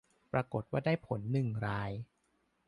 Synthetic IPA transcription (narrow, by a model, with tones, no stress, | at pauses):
pɾa˧ko˨˩t̪̚waː˥˩daː˥˩jpʰo˩˦nːɯ˨˩ŋɾaː˧j